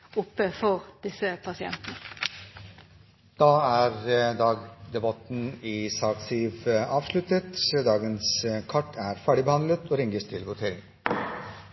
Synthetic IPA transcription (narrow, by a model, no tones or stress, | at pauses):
ʊpːəfɔʁd̪ɪsəpʰɑsɪɛ̰nt̪ənə | d̪̥ɑːæːɾd̪ɑːɡd̪ɛbɑt̪n̩iːsɑːksiʋɑːʋʂlʉt̪ət̪søːd̪ɑːɡənskʰɑʈːʰæːɾfæːɖɪbəhɑnlət̪oːɾɪŋɡəst̪ʰɪlʋʊt̪ʰeːɾɪŋ